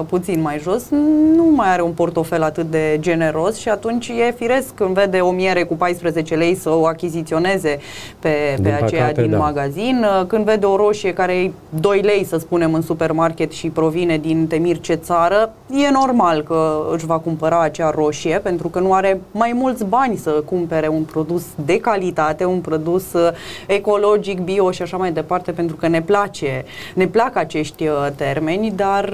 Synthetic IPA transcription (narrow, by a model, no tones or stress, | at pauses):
put̪sinmajʒo̞snumajaɾe̞unpo̞rt̪o̞fe̞lat̪ɨt̪̚d̪e̞d͡ʒe̞ne̞ɾo̞sʃiat̪unt͡ʃʲje̞fiɾe̞skkɨnd̪ve̞d̪e̞o̞mieɾe̞kupajspɾəze̞t͡ʃe̞le̞jsəoakʲizit̪sio̞ne̞ze̞ | pe̞peat͡ʃejad̪inmaɡazinkɨnd̪ve̞d̪e̞o̞ɾo̞ʃie̞kaɾeej | d̪o̞jle̞jsəspune̞mɨnsupe̞rmarkʲe̞t̪ʃipɾo̞vine̞d̪int̪e̞mirt͡ʃe̞t̪saɾə | je̞no̞rmalkəɨʃvakumpəɾaːt͡ʃearo̞ʃie̞pe̞nt̪ɾukənuaɾe̞majmult̪sʲbanʲsəkumpe̞ɾe̞unpɾo̞d̪usd̪e̞kalit̪at̪e̞unpɾo̞d̪use̞ko̞lo̞d͡ʒikbio̞ʃiaʃamajd̪e̞part̪e̞pe̞nt̪ɾukəne̞plat͡ʃe̞ne̞plakəat͡ʃe̞ʃt̪ʲt̪e̞rme̞nʲd̪ar